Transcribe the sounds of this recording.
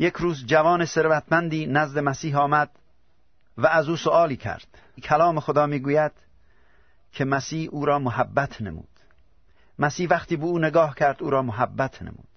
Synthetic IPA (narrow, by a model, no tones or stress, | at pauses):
jekʰɾuːzd͡ʒævɒːnese̞ɾvæt̪ʰmænd̪iːnæzd̪emæsiːɦɒːmæd̪̥ | vææzuːsoʔɒːliːkʰæ̰ɾd̪̥ | kʰælɒːmexod̪ɒːmiːɡuːjæd̪̥ | kʰemæsiːhuːɾɒːmoɦæbːæt̪ʰnḛmṵːd̪̥ | mæsiːhvæχt̪iːbeuːneɡɒːhkʲʰæɾd̪uːɾɒːmoɦæbːæt̪ʰnḛmṵːd̪̥